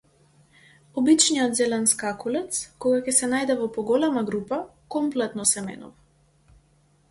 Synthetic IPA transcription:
ɔbit͡ʃnijɔt̪zɛlɛnskakulɛt̪skɔɡakɛsɛnajd̪ɛvɔpɔɡɔlɛmaɡɾupa | kɔmplɛt̪nɔsɛmɛ̰nṵva

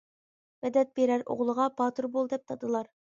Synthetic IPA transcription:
vɛd̪ɛt̪̚beɾæɾo̰ʁlˠəʁɑpʰɑt̪ʰuɾbolˠd̪ɛp̚t̪ʰɑd̪ɨlˠɑɾ

